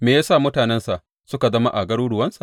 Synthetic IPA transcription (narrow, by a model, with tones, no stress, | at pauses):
meː˨jaː˦saː˦˨mʊ˦taː˨nɛ˦nsa˨ʔ | sʊ˦ka˨zɐ˦ma˦ʔa˨ɡɐ˦ɽuː˦ɽʊ˨wɐ˦nsa˨ʔ